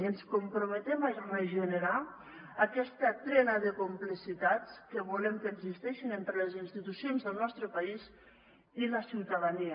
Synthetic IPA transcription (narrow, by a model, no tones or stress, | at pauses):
ənskumpɾumət̪ɛmaməʒənəɾaː | kɛst̪at̪ɾɛnaðəkumplisit̪at͡skəβuləmkəːɡzist̪ɛʃinent̪ɾələzinst̪it̪usionzðəlˠnɔst̪ɾəpaiz | iləsiwt̪aðani